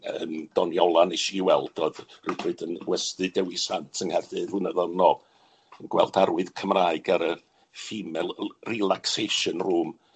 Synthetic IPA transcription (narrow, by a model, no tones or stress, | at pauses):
əmd̥ɔniɔlˠanɪʃiːwɛlˠd̥ɔðrɪbɨdənwɛstɨdɛwisantʰənhɛrdɨðʊnəðɔnɔ | ənɡ̥wɛlˠdaɾwɨðkʰəmraːɨɡaɾə | fimɛlˠrilˠakseʃənruːm